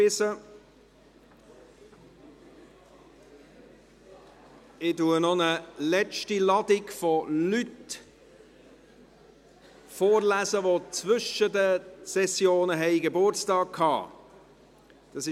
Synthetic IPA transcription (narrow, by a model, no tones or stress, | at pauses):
ɪsə | ɪtunɔnəlɛt͡ʃtilɑdɪɡfɔlyt | foːɾlæːzəʋot͡svʏʃədəsɛsjoːnəɦɛɪɡebʊrt͡stɑːk̚kʰɑ̰ː | d̥ɑsɪ